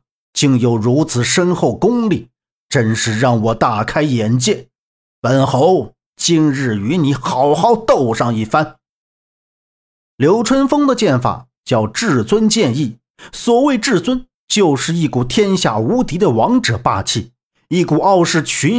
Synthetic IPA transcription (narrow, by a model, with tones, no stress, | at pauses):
t͡ɕi˥˩ŋjo˨˩ʊɻu˧˥t͡sʰɹ̩˨˩ʂə˥nxo˥˩ʊkʊ˥ŋli˥˩ | ʈ͡ʂə˥nʂɻ̩˥˧ɻɑ˥˩ŋwɔ˨˩t̪a˥˩kʰa˥ɪjɛ˨˩˥nt͡ɕjɛ˥˩n | pə˨˩nxo˧˥ʊ | t͡ɕi˥˧nɻɻ̩˥˩y˧˥ni˧˥xɑ˧˥ʊxɑ˧˥ʊt̪o˥˩ʊʂɑ˥˧ŋi˥˩fa˥n | ljo˧˥ʊʈ͡ʂʰwə˥nfɤ˥ŋd̪ə˨t͡ɕjɛ˥˩nfa̰˨˩˦ | t͡ɕjɑ˥˧ʊʈ͡ʂɻ̩˥˩t͡swə˥nt͡ɕjɛ˥˧ni˥˩ | swɔ˨˩we˥˧ɪʈ͡ʂɻ̩˥˩t͡swə˥n | t͡ɕjo˥˧ʊʂɻ̩˥˧i˥˩ku˨˩t̪ʰjɛ˥nɕja̰˥˩u˧˥t̪i˧˥d̪ə˨wɑ˧˥ŋʈ͡ʂɤ˨˩˦pa̰˥˧t͡ɕʰi˥˩ | i˥˩ku˨˩ɑ˥˧ʊʂɻ̩˥˩t͡ɕʰy˧˥n